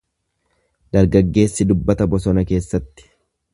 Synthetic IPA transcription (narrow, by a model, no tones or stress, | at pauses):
d̪ɐɾɡɐɡːe̞ːsːɪd̪ʊbːɐt̪ɐbɔsɔnɐke̞ːsːɐt̪ːɪ̥